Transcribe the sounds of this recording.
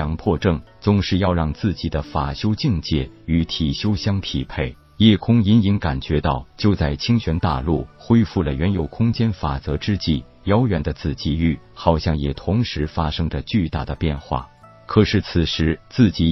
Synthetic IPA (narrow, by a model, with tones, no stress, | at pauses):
ɑ˧˥ŋpʰwɔ˥˧ʈ͡ʂɤ˥˩ŋ | t͡sʊ˧˥ŋʂɻ̩˥˧jɑ˥˧ʊɻɑ˥˧ŋt͡sɹ̩˥˩t͡ɕi˨˩d̪ə˦fa˨˩ɕjo˥ʊt͡ɕi˥˧ŋt͡ɕjɛ˥˩y˧˥t̪ʰi˨˩ɕjo˥ʊɕjɑ˥ŋt̪ʰi˨˩pʰe˥˩ɪ | jɛ˥˩kʰʊ˥ŋi˧˥ni˧˥ŋka˨˩nt͡ɕɥɛ˧˥t̪ɑ˥˩ʊt͡ɕjo˥˧ʊt͡sa˥˩ɪt͡ɕʰi˥ŋɕɥɛ˧˥nt̪a̰˥˧lu˥˩xwe˥ɪfu˥˩lə˩ɥɛ˧˥njo˨˩ʊkʰʊ˥ŋt͡ɕjɛ˥nfa˨˩t͡sɤ˧˥ʈ͡ʂɻ̩˥t͡ɕi˥˩ | jɑ˥ʊɥɛ˧˥nd̪ə˧t͡sʰɹ̩˨˩t͡ɕi˥y˥˩ | xɑ˨˩ʊɕjɑ˥˩ŋjɛ˨˩t̪ʰʊ˧˥ŋʂɻ̩˧˥fa˥ʂɤ˥ŋdə˨t͡ɕy˥˧t̪a̰˥˩d̪ə˩pjɛ˥˧nxwa̰˥˩ | kʰɤ˨˩ʂɻ̩˥˩t͡sʰɹ̩˨˩ʂɻ̩˧˥t͡sɹ̩˥˩t͡ɕi˧˥